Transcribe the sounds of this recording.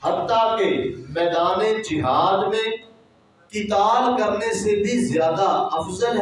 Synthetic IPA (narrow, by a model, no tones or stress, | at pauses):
ɦət̪ːakemɛːd̪aːned͡ʒɪɦaːd̪mẽ | kɪt̪aːbkəɾnesebʱizjaːd̪aɐfzəlɦ